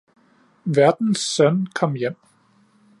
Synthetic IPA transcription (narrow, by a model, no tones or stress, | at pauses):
ʋæɐd̥n̩sːœnkʰɒ̽mjem̰